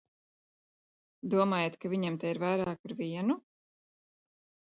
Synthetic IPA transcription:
d̪uɔmaːjet̪kaviɲɛmt̪ɛiɾvajɾaːkaɾviɛnu

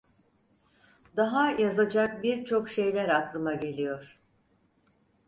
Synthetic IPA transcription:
d̪aɦajazad͡ʒak̚biɾt͡ʃʰo̞kʃe̞jlʲæɾaklˠɯmaɟe̞lʲijoɾ̥

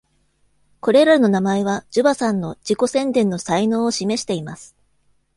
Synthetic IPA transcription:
ko̞ɾe̞ɾaɾno̞namaeβ̞ad͡ʑ̥ɨbasãnːo̞d͡ʑiko̞sẽ̞nd̪ẽ̞nːo̞saino̞ːoɕime̞ɕi̥t̪e̞imasɨ̥

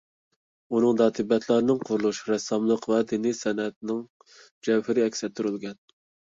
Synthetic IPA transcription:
unɨŋd̪ɑːt̪ʰɨbɛt̪ʰlˠɑɾnɨŋqʰʊɾulˠuʃɾɛsːɑmlˠəqvɛd̪inisɛnɛt̪̚nɪŋ | d͡ʒɛwhɪɾɪɛkʲsɛt̪ʰːuɾylɡʲɛn

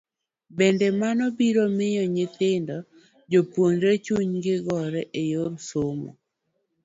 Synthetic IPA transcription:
bɛndɛmanɔbiɾomɪjɔɲɪt̪ɪndɔ | d͡ʒopwonɾet͡ʃuɲɡɪɡɔɾɛʔejorsomɔ̰

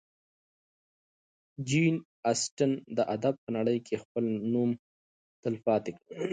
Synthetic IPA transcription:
d͡ʒin | asʈənd̪əʔad̪ab̚pənaɽəjkʰexpəlnum | t̪ɪlfɑt̪ekɽi

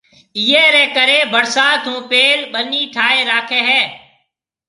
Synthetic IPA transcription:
ɪjeːɾɛːkəɾeːbəɽsaːt̪ɦũːpeːlɓəniːʈʰaːeːɾaːkʰeːɦɛː

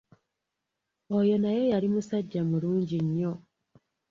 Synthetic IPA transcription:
ojo̞naje̞jalimusaɟːamuluːɲɟiɲːo̞

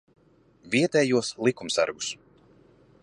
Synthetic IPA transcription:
viɛt̪ɛːjuɔslˠikumsa̰ɾɡu̥s

